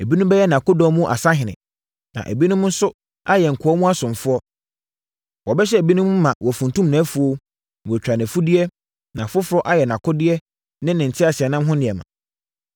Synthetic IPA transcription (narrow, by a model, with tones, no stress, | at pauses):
e˨bi˦nʊ̃˦mbɛ˦jɛ˦nã˨kʊ˦dɔ̃˦mũ˦ʔa̰˨sa˦ɦɪ̃˨nɪ̰̃˨ | nã̰˨ʔḛ˨bi˦nʊ̃˦mʊ̃˦n̩˦sʊ˦ | a˦jɛ˨ŋ̩˨kʰʊ˨ɔ˦mũ˦a˦sʊ̃˨n˨fʊ˦ɔ˦ | wɔ˨bɛ˦ɕ̬ɛ˦e˨bi˦nʊ̃˦m̃˦mã˨wʔɔ˨fũ˨n˨tũ˦mnã˨˦fu˨o˦˨ | ɛ˨t͡ɕᶣɾa˨nɪ̃˨fu˦dɪ˦ɛ˦ | nã˨fʊ˦fʊ˨ɾɔ˦ʔa˦jɛ˨nã˨kʰʊ˦dɪ˦ɛ˦ | nɪ̃˦nɪ̃˨n̩˨tʰɪ˦a˨sɪ˨ɛ˨nɪ̃˦m˦ɦʊ̃˦nɪ̃˨ɛ˨mã̰˨